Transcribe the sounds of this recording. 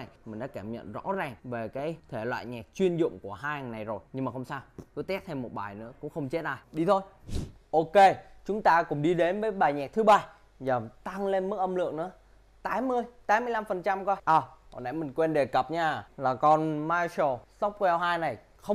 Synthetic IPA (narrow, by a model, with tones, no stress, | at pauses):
na˨˩jmï˨˩ŋ̟ɗa̰ː˧˦˥kaː˧˩mɲə̰˧˨nzɔ̰˧˥zaː˨˩ŋve˨˩kaː˨˦jt̪ʰe˧˩lwa̰ː˧˨jɲɛ˨˩k̚t͡ɕwi˧ənzʊ̰˧˨ŋ͡mku˧˩əɦaː˧jŋna˨˩jzo˨˩jɲɨ˧ŋmaː˨˩xə˧wŋ͡msaː˧wkɨ˨˦t̪ɛ˦˥t̚t̪ʰa˧mo˨˩t̚ɓaː˨˩jnɨ̰˧˥əkʊ̰˧˥ŋ͡mxə˧wŋ͡mt͡ɕe˦˥t̚ʔa̰ː˧˩jɗi˧t̪ʰo˧jʔo˧ke˧t͡ɕʊ˨˦ŋ͡mt̪aː˧kʊ˧˥ŋ͡mɗi˧ɗe˨˦nvəː˨˦jɓaː˨˩jɲɛ˨˩k̚t̪ʰɨ˨˦ɓaː˧˩ | zəː˨˩t̪a˧ŋle˧nmɨ˦˥k̚ʔə˧mlɨ̰˧˨əŋnɨ̰˧˥ə | t̪aː˨˦mɨ˧əjt̪aː˨˦mɨ˧jla˧mfə˨˩nt͡ɕa˧mkɔː˧˩ʔaː˨˩kɔ̰˨˩nʔa̰˨˩jmï˨˩ŋ̟kwɛ˧nɗe˨˩kə˨˩p̚ɲaː˧laː˨˩kɔ˧nmaː˧so˨˩sɔ˦˥pk͡p̚kwɛ˧wɦaː˧jna˨˩j | xə˧ŋ͡m